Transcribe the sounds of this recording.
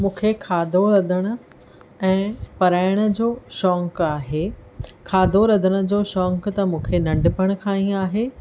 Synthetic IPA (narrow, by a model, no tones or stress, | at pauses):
mũːkʰekʰaːd̪ʱoɾɐd̪ʱəɽ̃ʊ̆ | ɛ̃ːpɐɾaːɪɽ̃ʊ̆d͡ʑoːʃɔːŋkaːɦekʰaːd̪ʱoɾɐd̪ʱəɽ̃ʊ̆d͡ʑoːʃɔːŋkt̪ɐmũːkʰenɐ̃ɳɖɪpəɽ̃ʊ̆kʰãːĩaːɦeː